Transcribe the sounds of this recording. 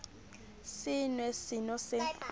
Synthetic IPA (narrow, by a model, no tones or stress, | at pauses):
sɪnwɛsɪnɔsɛ